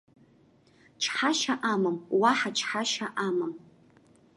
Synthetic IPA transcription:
t͡ʃʰħaʃaʔamɨmwaħaʈ͡ʂʰħaʃaʔamɨm

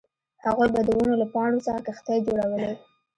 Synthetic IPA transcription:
haɣojbad̪əwunolapɑɳɽosəxakaxt̪ɑjd͡ʒoɽawəlew

